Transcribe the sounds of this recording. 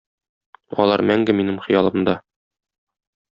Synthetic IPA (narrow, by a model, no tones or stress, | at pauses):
ɒ̰lˠɑɾmæŋɡɘminɘmχɤ̆jɑlˠɤ̆md̪ɑ